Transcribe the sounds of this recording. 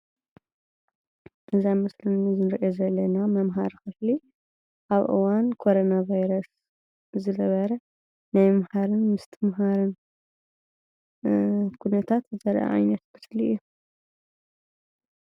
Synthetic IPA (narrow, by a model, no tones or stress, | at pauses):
ʔɨzamɐslɨnizɨnɨɾʔozɐlːɐnamɐmɦa̰ɾkɨfli | ʔaβʔɨ̰wankʰo̞ɾonavajɾɐs | zɨnɐβɐɾɐ | najmɐmhaɾɨnmɨst̪ʰɨmɦaɾɨn | kʰunɐt̪ʰat̪zɐɾʔa̰ʕa̰jnɐt̪kʰɨfliʔjːu